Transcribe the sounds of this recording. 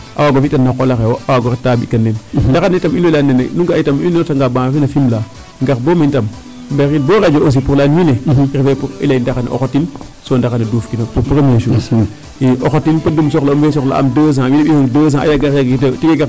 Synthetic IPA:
ʔa̰waɡofitanːakolaxewawaɡoɾetabikanːendakanetaminoilanenenuŋɡaitaminotaŋɡabãfinafimla | ŋɡakbomintam | mbeinboɾed͡ʒoʔos̬ipuɾlanwineɾifepuɾḭleindakanḛʔo̰kotin | sondakaneduːfkinopupuɾmeʃu | iʔoxotinpadums̬oklamfes̬okla̰a̰mdos̬ãwineɓihoŋdos̬ãa̰jaɡakjaɡitetiɡeɡa

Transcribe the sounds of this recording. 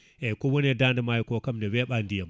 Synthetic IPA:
ʔekowɐnedandamajkokɐmdeweɓandijam

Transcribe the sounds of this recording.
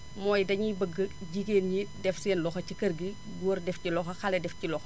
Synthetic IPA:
mɔːjdɐɲibəɡːəɟikeːnɲidɛfsɛːnlɔxɐcikɐɾɡi | ɡuːɾdɛfcilɔxɐxɐlɛdɛfcilɔx

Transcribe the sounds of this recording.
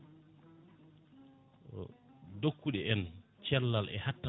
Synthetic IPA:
dokːuɗɛʔɛnt͡ʃɛlːalʔɛ̰hatːa

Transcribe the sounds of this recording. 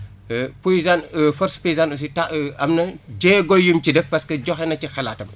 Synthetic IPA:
poizanfɔɾspojizanus̬itaɐmnɐd͡ʒɛːɡɔjːumcidəfpɐskɐɟɔxɛnɐcixɐlaːtɐm

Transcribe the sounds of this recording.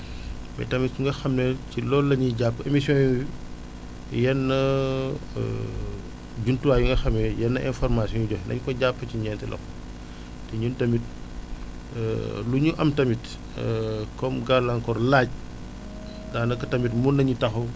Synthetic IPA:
mɛ̰tɐmitsuŋɡɐxɐmnɛcilɔlːɐɲiɟapːemisjɔ̃i | jɛnːɐ̰ | ɟuntuwaːjuŋɡɐxɐmːɛjɛnːɐʔɛnfɔrmasjɔ̃ɲuɟɔhndɐ̰ɲkɔɟapːəciɲɛntɛlʔɔ̰x | tɛɲuntɐmit̚ | luɲuʔɐmtɐmit | kɔmɡalaŋkɔrlaːɟ̚ | daːnɐkːɐtɐmitmunːɐɲitɐxɐw

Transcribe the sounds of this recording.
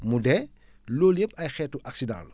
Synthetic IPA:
mudɛ | loːljepɐjxɛːtuʔaksidã̰ːlu

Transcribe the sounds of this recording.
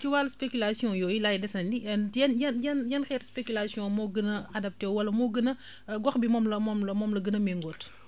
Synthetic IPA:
kiwaːlspekylasijɔ̃jɔːilajdɛsɐndijɛnjɛnjɛnjɛnxɛːɾspekylasijɔ̃mɔɡənɐadɐp̚tɛːwwɐlɐmɔːɡənɐ | ɡɔxbimɔːmlɐmɔmlɐmɔmlɐɡənɐmɛŋɡɔːt

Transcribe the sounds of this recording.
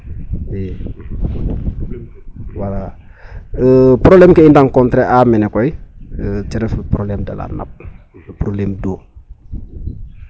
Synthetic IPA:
ɛ | wala | əpɾoblɛːmkɛindaŋkɔntɾɛʔamɛnɛkɔjət͡ʃɛɾɛfprolɛmdɐ̰la̰ːnɐ̰p̚ | pɾoblɛːmdoː

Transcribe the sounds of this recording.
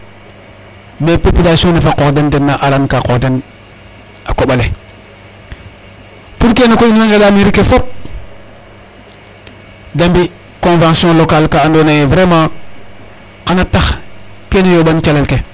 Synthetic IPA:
bepepilasõnafaqodendenːaʔalankakoɾden | akoɓale | puɾkenakoinãŋɡelamiɾikefop̚ | dambi | kõvãŋsiɔ̃lokalkaandonajevɾemã | kanataxkenijobant͡ʃalelke

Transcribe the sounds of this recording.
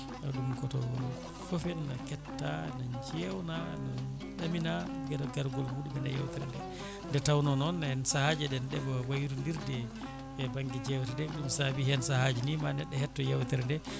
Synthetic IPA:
ʔaɗumkɔtɔwɔn | fɔfɛnːakɛtːanand͡ʒɛwnanan | ɗaminaɡɛɾɔɡaɾɡɔlmuɗibɛnaja̰wtɛɾndɛ | ndɛtawnɔnɔnːahɛnsahad͡ʒɛɗɛnɗɛbɔwajɾundiɾdɛ | ɛbaŋɡid͡ʒɛwtɛdɛɗumsabiɦɛnsahad͡ʒinimanɛɗːɛhɛtːɔjawtɛɾndɛ

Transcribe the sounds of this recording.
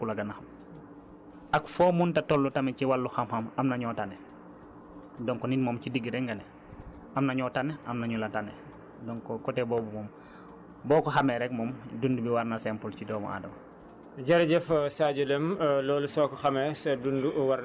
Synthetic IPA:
kulɐɡɐnɐxɐm | ɐkfɔːmuntɐtɔlːutɐmɛciwalːuxɐmxɐmɐmnɐɲɔtanɛ | dɔŋkɔnitmɔmcidiɡiɾɛŋɡɐnɛ | ɐmnɐɲɔtanɛʔɐmnɐɲulɐtanːɛ | dɔŋkɔkɔtɛbɔːbumɔːm | bɔːkɔxɐmɛɾɛk̚mɔːmdundubiwaɾnasɛmpulcidɔːmɐ̰ʔa̰ːdɐmɐ | ɟɐɾɟɛfsaːɟulɛmlɔːlusɔːkɔxɐmɛsɛdunduwaɾ

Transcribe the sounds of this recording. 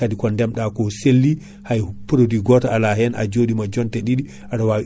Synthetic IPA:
adikɔndɛmɗakɔselːi | hajpɾodiɡɔtaalaɦɛnʔa̰d͡ʒoɗimad͡ʒɔntɛɗiɗi | ʔaɗawawi

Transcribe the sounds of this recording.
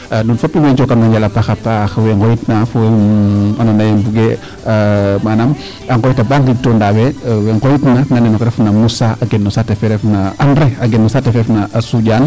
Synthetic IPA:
nunfopːiweɲt͡ʃokanoɲd͡ʒalapaxapaxweŋkojitnaf | anonajembuɡe | manam | aŋɡojitabaŋɡitːondaweweŋɡojitnananenokɾefnamusaaɡenːosatefeɾefnaanɾeaɡenːosatefeɾefnaʔasuɟaːn

